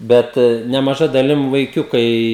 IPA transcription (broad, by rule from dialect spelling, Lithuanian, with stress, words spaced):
ˈbʲɛt nʲɛmɐˈʒɐ dɐˈlʲɪm ʋɐɪˈkʲʊkɐɪ